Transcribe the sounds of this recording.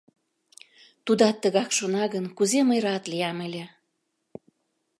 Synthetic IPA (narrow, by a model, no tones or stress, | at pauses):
t̪ud̪ɑt̪ːə̆ɣɑkʃonɑɣənkuzeməjɾɑt̪lijɑmelʲe